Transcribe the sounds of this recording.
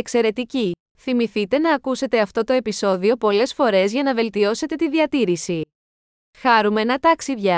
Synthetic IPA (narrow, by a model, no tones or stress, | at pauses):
ekse̞ɾe̞t̪ici | θimiθit̪e̞nɐːkuse̞t̪e̞ɐft̪o̞t̪o̞e̞piso̞ðio̞po̞le̞sfo̞ɾe̞zʝɐnɐve̞lt̪io̞se̞t̪e̞t̪iðiɐt̪iɾisi | xɐɾume̞nɐt̪ɐksivʝɐ